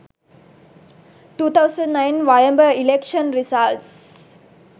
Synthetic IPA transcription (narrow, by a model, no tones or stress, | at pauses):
ʈuːt̪ʰawsə̃nnːajnʋajəmbəilekʃənɾisalʈs